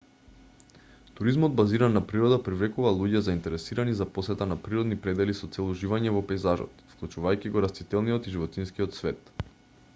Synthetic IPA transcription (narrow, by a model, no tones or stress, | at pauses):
t̪uɾizmɔd̪̚baziɾanːapɾiɾɔd̪apɾivlɛkuvalˠuɟɛzaint̪ɛɾɛsiɾanizaposɛt̪anapɾiɾɔd̪nipɾɛd̪ɛlisɔt̪sɛlˠuʒivaɲɛvɔpɛjzaʒɔ̰t̪fklˠut͡ʃuvajkiɡɔɾast̪it̪ɛlˠnijɔt̪iʒivɔt̪inskiɔt̪svɛt̪